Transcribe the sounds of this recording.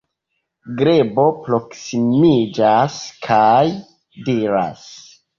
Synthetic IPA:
ɡɾebo̞pɾo̞ksimid͡ʒaskʰaj | diɾa̰s

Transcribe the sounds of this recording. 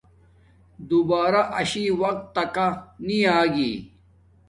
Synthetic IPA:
d̪ubaːɾaʔɐɕiːwɐq̚t̪ːɐkaniaːɡḭː

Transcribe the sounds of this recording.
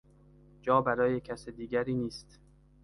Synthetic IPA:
d͡ʒɒːbæɾɒːje̞cʰæsed̪iːɡæɾiːniːst̪

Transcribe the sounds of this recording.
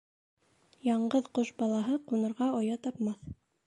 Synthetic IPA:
jɑɴɢɤðqoʃbɑlˠɑɦɤqunɤ̆ɾʁɑŏjɑt̪ɑpmɑθ

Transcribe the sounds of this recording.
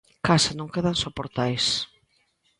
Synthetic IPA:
kasanõŋkeðansopoɾt̪ajs

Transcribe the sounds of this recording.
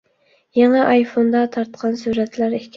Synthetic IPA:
jɛŋɛʔɑjfond̪ɑt̪ʰɑɾt̪qʰɑnsuɾɛt̪læɾehkʲʰ

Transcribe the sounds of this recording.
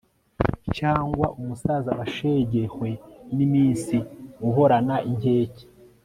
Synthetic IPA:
caːŋɡwaʔumusaːzaβaʃeɟehwe̞nimiːnsiuɦo̞ɾanaʔinhe̞ːce̥

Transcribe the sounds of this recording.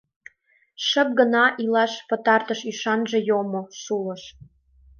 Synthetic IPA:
ʃə̆p̚ɡə̆nɑʔilɑʃpə̆t̪ɑrt̪əʃyʃɑnʒĕjomosulə̆ʃ

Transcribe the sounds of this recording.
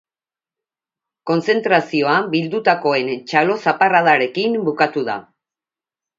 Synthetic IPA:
ko̞nse̞nt̪ɾasio̞abild̪ut̪ako̞e̞nt͡ʃalo̞saparað̞aɾe̞kimbukat̪uða̰

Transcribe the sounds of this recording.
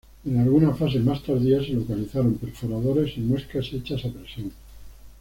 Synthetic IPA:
e̞nalɣunafas̬e̞mast̪aɾðiase̞lokaliθaɾo̞mpeɾfoɾað̞o̞ɾe̞simweskaset͡ʃasapɾesjon

